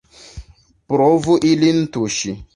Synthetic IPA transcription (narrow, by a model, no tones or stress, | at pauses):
pɾovuʔilin̩tuʃi